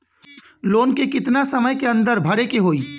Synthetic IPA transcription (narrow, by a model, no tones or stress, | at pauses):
loːnkikɪt̪nasɐməjkeɐ̃nd̪əɾbʱɐɽekeɦoːiː